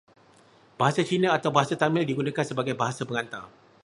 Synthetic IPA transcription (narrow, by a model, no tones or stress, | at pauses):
b̥aɦasat͡ʃinãat̪awbaɦasat̪amɪ̃ldiɡunãkansəbaɡajbaɦasabəŋãnt̪ar